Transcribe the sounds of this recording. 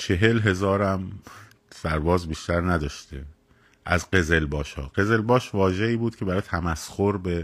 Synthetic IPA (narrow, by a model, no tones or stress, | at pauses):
t͡ʃʰe̞ɦe̞lɦe̞zɒːɾæm | sæɾbɒːzbiːʃt̪æɾnæd̪ɒːʃt̪e | ʔæzɢe̞zelbɒːʃhɒ̰ːɢe̞ze̞lbɒːʃvɒːʒeiːbuːd̪̥̚cʰe̞bæɾɒːt̪ʰæmæsxoɾbe